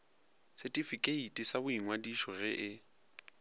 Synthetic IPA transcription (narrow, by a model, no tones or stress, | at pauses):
sɪtʼifikʼeitʼisabʊiŋwadiʃɔɣɪʔɪ